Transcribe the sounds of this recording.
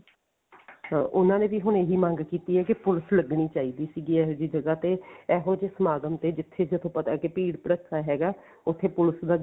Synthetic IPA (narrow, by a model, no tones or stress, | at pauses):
ʔʊnãːneːʋiːɦʊɳeɦiːmãːŋɡkiːt̪iːɦɛːkɪpʊlsləɡɳiːt͡ʃaːiːd̪iːsiːɡiːɛːɦoːd͡ʒiːd͡ʒəɡaːt̪eːɛːɦoːd͡ʒesəmaːɡ̪əmt̪eːd͡ʒɪt̪ʰːeːd͡ʒət̪ʰõːpət̪aːkɪpiːɽpəɽəkʰːaːɦɛːɡaː | ʊt̪ʰːeːpʊlsd̪aː